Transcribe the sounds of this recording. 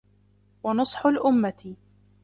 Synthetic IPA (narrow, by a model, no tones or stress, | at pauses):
wɑnʊsˤħʊlʔʊmːat̪ɪ